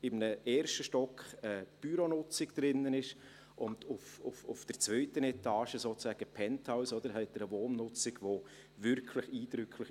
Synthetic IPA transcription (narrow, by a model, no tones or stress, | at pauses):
ɪmnəɛːɾʃtəʃtɔkχəb̥yɾonʊt͡sɪɡd̪̥ɾɪnːənɪʃ | ʔʊndʊfʊfʊfd̥əɾt͡svœʏtənɛtɑːʃəsoːt͡szɛːɡ̥əpʰɛntʰɑʊsɔd̪əɾɦɛɪtəɾəvoːnːʊt͡sɪɡʋo | vʏɾkʰlɪχiːd̥ɾʏkʰlɪx